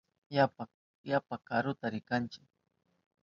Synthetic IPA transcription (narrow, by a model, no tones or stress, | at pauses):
japa | japakaɾʊt̪aɾɪkant͡ʃɪ̥k